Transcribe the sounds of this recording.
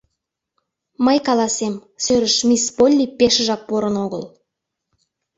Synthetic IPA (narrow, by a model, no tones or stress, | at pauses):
mɑjkalˠasemsɵɾɪʃmʲispolʲːipʲeʃʒɑpːoɾənoɡə̰lˠ